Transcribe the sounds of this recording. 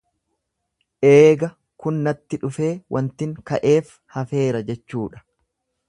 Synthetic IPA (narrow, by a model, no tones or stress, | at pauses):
ʔeːɡɐ | kʊnːɐt̪ːɪᶑʊfe̞ːwʔɐnt̪ɪŋkɐʔe̞ːf | hɐfe̞ːɾɐd͡ʒɛt͡ʃːuːᶑɐ̥